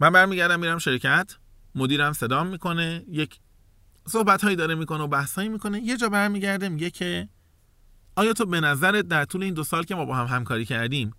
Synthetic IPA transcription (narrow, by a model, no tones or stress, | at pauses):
mænbæɾmiːɟæɾd̪æmːiːɾæmʃe̞ɾcʰæt̪ʰ | mod̪iːɾæmsed̪ɒːmːiːkʰo̞ne̞jecʰ | so̞hbæt̪hɒːjːd̪ɒːɾemiːko̞neobæhshɒːjimiːkʰo̞ne̞je̞d͡ʒɒːbæɾmiːɟæɾd̪emiɟecʰe̞ | ɒːjɒːt̪ʰobe̞næzæɾet̪̚d̪æɾt̪ʰuːle̞iːnd̪osɒːlcʰe̞mɒːbɒːɦæmɦæmkʰɒːɾiːcʰæɾd̪iːm